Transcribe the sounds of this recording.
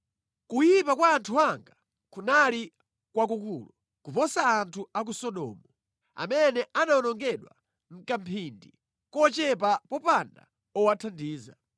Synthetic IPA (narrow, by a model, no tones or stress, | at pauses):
kujipakwaːntʰuaŋɡa | kunali | kwak̬ukuːlɔ | kupɔsaːntʰuak̬usɔɗɔ̰ːmɔ | a̰mɛnɛʔanaɔnɔŋɡɛɗwa̰ | ŋ̩kam̩pʰindi | kɔt͡ʃɛp̬apɔpanda̰ | ɔwatʰandiːza̰